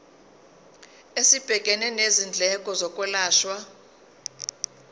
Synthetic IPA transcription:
esib̥ʱɛkʼɛnɛnezind͡ɮʱɛkʼɔzɔkʼwɛlaːʃwa

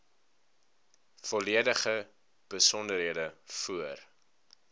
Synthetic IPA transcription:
fɔliədəχə | b̥əsɔndəɾɦiədəfuər

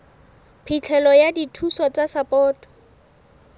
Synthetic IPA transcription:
pʰit͡ɬʰɛlɔjaditʰusɔt͡sasapɔːtɔ̥

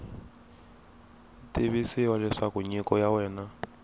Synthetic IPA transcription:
tiβisiwalɛʂakuɲikɔjawɛːna

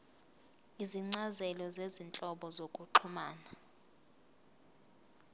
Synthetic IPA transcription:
iziŋ͡ǀazɛlɔzezint͡ɬʼɔɓɔzokʼuǃʰumaːna

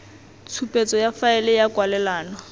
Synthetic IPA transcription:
t͡sʰupʼet͡sʼɔjafaɛlɪjakʼwalɛlaːnɔ

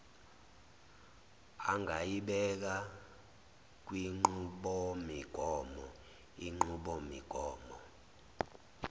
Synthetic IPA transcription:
aŋʱajiɓɛk̬a | k̬wiŋ͡ǃuɓɔmiɡ̥ʱɔːmɔ | iŋ͡ǃuɓɔmiɡ̥ʱɔːmɔ

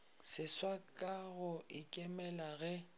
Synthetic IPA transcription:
sɪswakʼaɣʊʔɪkʼɪmɛlaɣɛ

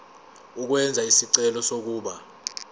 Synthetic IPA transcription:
uk̬wɛnd͡zʱaisiǀɛlɔsok̬uːɓa

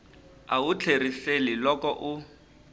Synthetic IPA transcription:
aʊt͡ɬʰeriselɪlɔkɔʔʊ

